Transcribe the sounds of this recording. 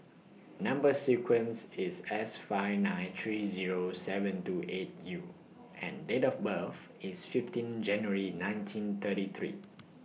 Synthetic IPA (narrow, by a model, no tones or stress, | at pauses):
nãmbəsikʰwə̃nsisɛsfaɪnãɪt̪ʰɹiziɹosɛvə̃ntuʔet̚ju | ʔɛ̰̃ndetɔfbəf | isfiftĩnd͡ʒɛ̃njəɹinãɪ̃ntʰĩnt̪ʰətit̪ʰɹḭː